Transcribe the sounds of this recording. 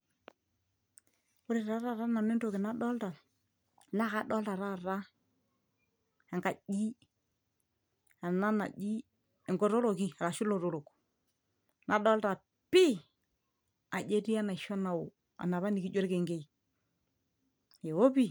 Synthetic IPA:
o˦ɾe˨ɾa˨˦ɾa˦˨ɾa˦na˨ne˦nto˦˨kɪ˨na˦ɗɔ˦lta˨ | la˦ka˦ɗɔ˦lta˨ɾa˦˨ɾa˦ | ɛ˨ŋka˨d͡ʒi˦ | a˨na˦na̰˨d͡ʒi˦ | ɛ˨ŋɡɔ˨ɾo˦ɾo˨ki˦a˨ɾa˨ʃʊ˦lo˨ɾo˦˨ɾo˨k | na˨ɗɔ˦lta˨ | pi˦ | a˨d͡ʒe˦ɾi˦a˦na˨ʃɔ˦na˨ʊ˨ | a̰˨na˨βa˦ni˨ki˦d͡ʒo˦ɾke˨ŋɡe˦i˨ | e˨o˦pi˦˨

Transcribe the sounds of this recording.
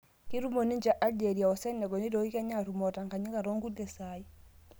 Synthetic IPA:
ki˦ɾu˦mo˨ni˦ɲd͡ʒa˦ʔa˦ld͡ʒe˨ɾi˨a˨ɔ˨sɛ˦nːɛ˨ɡɔ˨ni˦do˨i˦ka˦ɲa˦˨ɾu˨mɔ˨ta˨ŋka˨ɲi˦ka˨ɾo˦ŋɡu˦dɛ˨sai˦

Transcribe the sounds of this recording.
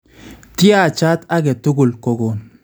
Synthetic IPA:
t̪ɪ˦ja˦˨t͡ʃa˦t̪a˦ɡɛ˨t̪ʊ˦ɡʊ˨lkɔ˨ɡo˨

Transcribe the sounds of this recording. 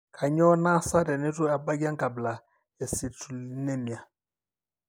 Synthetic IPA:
kʰa˨ɲɔ˦na˦sa˦dɛ˨ne˦tu˦a˨ba˦ɡa˦ŋɡa˨bla˨ | jɛ˨si˨tu˨li˦ne˦mi˨a˨

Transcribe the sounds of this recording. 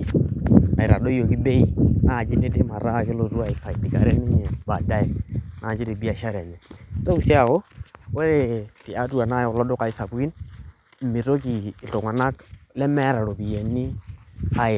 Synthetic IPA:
a˨i˨ɾa̰˨do˦jo˨ki˦be˦i˦na˦˨d͡ʒi˦ne˦de˦ma˨ɾa˦˨kɛ˦lo˨tu˦a˦i˨fa˨i˨di˨ka̰˨ɾɛ˦nɛ˦ɲɛ˨ba˨da˦ɛ˨na˨d͡ʒi˦de˨bi˦a˦˨ʃa˦ɾɛ˨ɲɛ˨˦ta˦u˨si˦a˨kɔ˦wɛ˦ɾe˦ti˨a˦tu˦a˨na˦jɔ˨lɔ˦dɔ˦ka˨i˦sa˨bu˦ki˦n˦ | mi˨ɾo˦kiː˨ltɔ˨ŋa˨na˦klɛ˦mɛ˦ɾa˨ɾo˨bi˨jɛ˨ni˦a˦je˨

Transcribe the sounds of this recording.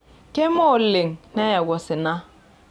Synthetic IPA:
ke˦mɔ˦˨le˨ŋnɛ˦ja˨ɡɔ˨sɪ˨na˦

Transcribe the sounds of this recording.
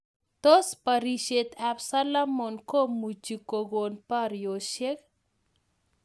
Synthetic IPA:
t̪o˦spaɾiʃet̪absa˦lamɔ˨nko˦mut͡ʃiko˨ɡo˨npa˦ɾjoʃe˦k

